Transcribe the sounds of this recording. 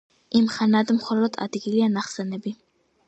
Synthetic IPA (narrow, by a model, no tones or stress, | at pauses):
imχanad̪mχɔlɔd̪a̰d̪ɡilianaχsɛnɛbi